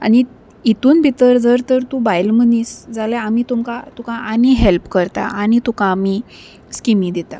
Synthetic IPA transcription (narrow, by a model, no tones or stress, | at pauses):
a̰ñi | it̪uːnbʱit̪əɾd͡zəɾt̪əɾt̪ubajlməniːsd͡zalaamiːt̪umkat̪ukãʔaniɦelpkəɾt̪a̰ʔañit̪ukãːmiː | skimĩd̪et̪a̰